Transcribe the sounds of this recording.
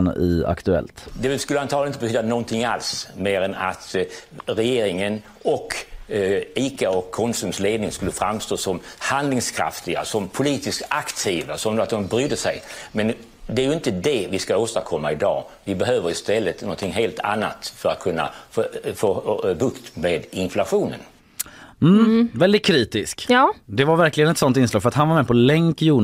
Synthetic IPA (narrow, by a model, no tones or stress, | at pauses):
nɪa̰kt̪ɵɛ̰lt̪d̪ɛskʉlːanʰɑːlnɪnt̪əbɛt̪ʰyːd̪anɔɔnt̪ʰɪŋa̰lsmeːɾɛna̰t̪ɾɛjeːɾɪŋən | ɔk | iːkaɔkʰːɔnsʉmsleːd̪nɪŋskɵlːəfɾamst̪oːsɔmhand̪lɪŋskʰɾa̰ft̪ɪɡa̰sɔmpʰʊliːt̪ɪskakt̪ʰiːvasɔmd̪at̪̚d̪ɔmbɾʏd̪ːəsɛjmɛn | d̪ɛæɾjɵɪnt̪əd̪ɛvɪskaoːst̪aɾkʰɔmːaɪd̪ɑ̰ːvɪbɛɦøːvəɾɪst̪ɛlːət̪nɔnt̪ʰɪŋɦeːlt̪ʰa̰nːa̰t̪fœɾa̰t̪̚kʰɵnːa̰foːbɵkt̪meːd̪ɪnflaɧuːnə̰n | m̩ːvɛld̪ɪt̪̚kʰɾiːt̪ɪskjːd̪ɛvaɾvæɾklɪɡənɛt̪sɔnt̪ɪnslɑːɡfœɾat̪hanvaɾmɛpʰɔlɛŋkjuː